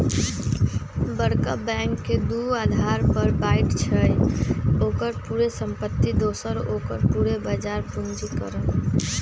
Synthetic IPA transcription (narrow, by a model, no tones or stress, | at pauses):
bəɽkəbɛ̃ŋkːed̪uad̪ʱaɾpəɾbaiʈt͡ʃʰəjokəɾpuɾesəmpət̪ːid̪osəɾokə̰ɾpuɾebad͡ʒaɾpund͡ʒikə̰ɾəl